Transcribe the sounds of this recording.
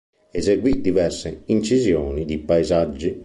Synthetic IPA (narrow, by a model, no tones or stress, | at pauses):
ɛzeɡwid̪ivɛrseint͡ʃizjɔːnid̪ipaizad͡ʒːi